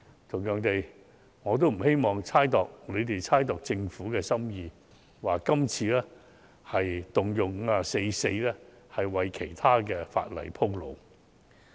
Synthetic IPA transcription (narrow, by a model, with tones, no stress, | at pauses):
t̪ʰʊ˨˩ŋjœː˨ŋt̪e˨j | ŋɔː˨˧t̪̬o˥wm̩˨˩he˥jmɔː˨˩ŋt͡sʰaː˥jt̪ɔː˨˩k̚le˨˧jt̪e˨jt͡sʰaː˥jt̪ɔː˨k̚t͡sɪ˧ŋfuː˨˥kɛː˧sɐ˥mjiː˨˧ | waː˨˩kɐ˥mt͡sʰiː˧lɛː˥ | hɐ˨jt̪ʊ˨ŋjʊ˨ŋŋ̩ː˨˧a˨se˧jse˧jlɛː˥ | hɐ˨jwɐ˨jkʰe˨˩jt̪ʰaː˥kɛː˧fa̰ː˧t̚lɐ̰˨˩jpʰʊ˥ŋlo̰˨˧w